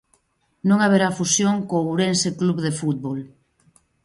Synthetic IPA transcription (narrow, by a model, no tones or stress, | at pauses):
nõŋaβ̞eɾafusjoŋkouɾensekluβðefut̪̚βol